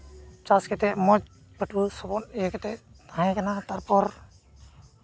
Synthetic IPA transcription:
t͡ʃaskɛt̪ɛmɔd͡ʒ | pəʈbusɔbɔnijɛkɛt̪ɛʔnaɦɛ̃kanat̪aɾpɔɾ

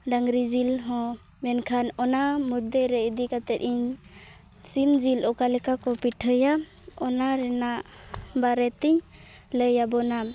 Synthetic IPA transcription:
ɖaŋɾid͡ʒilɦɔ̃ | mɛnkʰanɔnamud̪eɾɛid̪ikat̪ɛt̪̚iɲ | simd͡ʒilʔɔkalɛkakɔpiʈʰəja | ɔnaɾɛnaʔ | baɾɛt̪iɲ | ləjabɔnam

